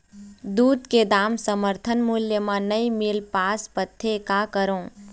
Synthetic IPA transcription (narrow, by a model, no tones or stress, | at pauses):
d̪uːd̪ked̪aːmsəməɾt̪ʰənmuljəmãnɐimɪlpaːspət̪ʰːekakəɾõː